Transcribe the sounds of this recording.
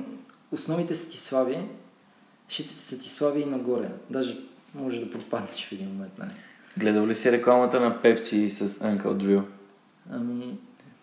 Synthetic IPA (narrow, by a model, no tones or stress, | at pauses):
ʊsnɔvit̪ɛsə̥t̪i̥slˠaviɛ | ʃit̪i̥si̥sɐt̪i̥slˠaviinɐɡɔɾɛ̰d̪aʒɛ | mɔʒɛd̪ɐpɾot̪̚pad̪nɛʃfɛd̪inmomɛnt̪̚na̰ɛɡlɛd̪əvlisɛɾɛklˠamɐt̪ənɐpɛpsisɐsaŋkə̰ld̪viw | ami